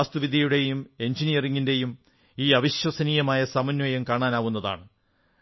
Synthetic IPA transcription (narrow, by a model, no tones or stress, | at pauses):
st̪uʋid̪ʱjɐjuɽe̞jume̞nd͡ʑinijɐriŋːinde̞jum | iːɐʋiɕwɐsɐniːjɐmaːjɐsɐmɐnjɐjɐmkaːɳaːnaːʋun̪ːɐða̰ːɳɨ